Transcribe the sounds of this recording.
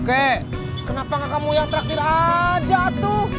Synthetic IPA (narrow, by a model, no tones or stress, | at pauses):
kɛ | kənapaŋakamujaŋt̪əɾak̚t̪iɾad͡ʒat̪u